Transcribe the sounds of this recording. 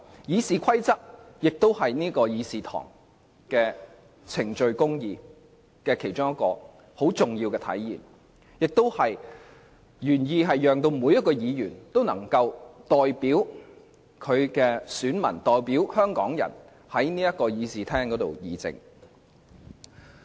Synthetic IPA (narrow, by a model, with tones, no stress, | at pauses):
jiː˨˧siː˨kʷʰɐ˥jt͡sɐ˥k̚ | jɪ˨k̚t̪o˥whɐ˨jniː˥kɔː˧jiː˨˧siː˨t̪ʰɔ̰ː˨˩ŋ | kɛː˧ | t͡sʰɪ˨˩ŋt͡ʃɵ˧ɥkʊ˥ŋjiː˨˧ | kɛː˧kʰe˨˩jt͡ʃʊ˥ŋjɐ˥t̚kːɔː˧ | ho˨˥wt͡sʊ˨ŋjiː˧wkɛ˧t̪ʰɐ̰˨˥jjḭː˨˩n | jɪ˨k̚t̪o˥whɐ˨j | jyː˨˩njiː˨˧ɦɐ˨jjœː˨˩ŋt̪o˧wmuː˨˧jɐ˥t̚kːɔː˧jiː˨˧jyː˨˩nt̪o˥wnɐ̰˨˩ŋkɐ˧wt̪ɔː˨˩jpiː˨˥w | kʰɵ˨˧ɥkɛː˧syː˨˥nmɐ̰˨˩nt̪ɔː˨jpiː˨˥whœː˥ŋkɔː˨˥ŋjɐ̰˨˩n | hɐ˨˥jniː˥jɐ˥t̚kːɔː˧jiː˨˧siː˨t̪ʰɛː˥ŋkɔː˨˥t̪o̰˨wjiː˨˧t͡sɪ̰˨ŋ